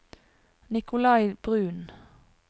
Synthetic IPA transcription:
nɪkʊlɑɪb̥ʁʉːn

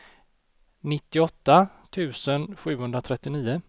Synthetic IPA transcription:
nɪt̪ːɪɔt̪ːa | t̪ʰʉ̟ːsənɧʉ̟ːhɵnɾat̪ʰɾɛt̪ːɪniːə

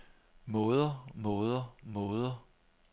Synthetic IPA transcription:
mɔ̽ːðˠɐmɔ̽ːð̞ˠɐmɔːðˠɐ

